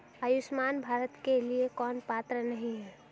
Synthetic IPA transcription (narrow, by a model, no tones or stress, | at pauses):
əjʊsmaːnbʱaːɾət̪keliekɔːnpaːt̪ɾənɐɦĩɦɛː